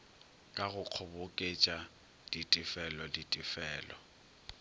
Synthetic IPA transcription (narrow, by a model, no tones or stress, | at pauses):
kʼaɣʊq͡χʰʊbʊkʼet͡ʃʼa | d̥itʼɪfɛlɔditʼɪfɛːlɔ